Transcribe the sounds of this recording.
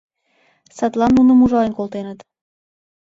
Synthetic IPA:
sɑt̪lɑnːunə̆muʒɑənkolt̪enət̪

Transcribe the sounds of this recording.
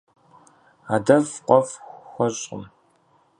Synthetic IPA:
aːdɐfqʷɔfxʷɔɕʼɪ̰m

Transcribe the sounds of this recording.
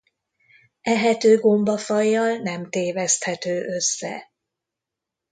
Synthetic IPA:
ɛɦɛt̪øːɡo̞mbɒfɒjːɒlnɛmt̪eːvɛst̪hɛt̪øːʔø̞sːɛ̰

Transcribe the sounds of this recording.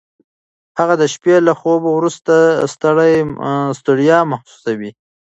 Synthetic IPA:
haɣad̪əʃpelaxobowɾust̪ast̪aɽajst̪ʊɽijɑmaxsu̥sawi

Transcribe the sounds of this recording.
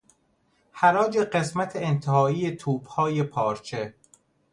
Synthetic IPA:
hæɾɒːd͡ʒe̞ɢe̞smæt̪ʰeent̪ʰehɒːiːjet̪ʰuːb̥hɒːje̞pʰɒːɾt͡ʃʰe̞

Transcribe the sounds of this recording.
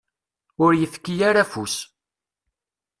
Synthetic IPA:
ʊɾjəfkːijaɾafus

